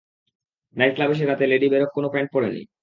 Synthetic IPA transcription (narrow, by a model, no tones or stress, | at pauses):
najt̪̚klabeʃ̬eɾat̪eleɖibeɾok̚konofeɳʈ̚pɔɽenḭ